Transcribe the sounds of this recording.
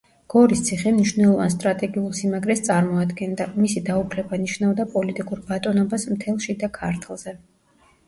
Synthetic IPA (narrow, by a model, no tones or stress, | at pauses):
ɡ̥ɔɾist̪sʰiχɛmniʃwnɛlˠɔvanst̪ʼɾat̪ʼɛɡiulˠsimaɡɾɛst̪sʼaɾmɔad̪ɡɛnd̪amisid̪aukʰlɛbaniʃnavd̪apʼɔlit̪ʼikʼuɾbat̪ʼɔnɔbasmt̪ʰɛlˠʃid̪akʰaɾt̪ʰlˠz̥ɛ